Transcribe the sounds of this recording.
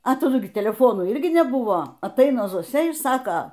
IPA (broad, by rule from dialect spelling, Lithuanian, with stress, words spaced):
ɐ tɐˈdʊ ɡʲɪ tʲɛlʲɛˈfoːnuː ˈɪrʲɡʲɪ nʲɛˈbʊʋoː ɐtˈɐɪnɐ zoːˈsʲɛ ɪr ˈsɑːkɐ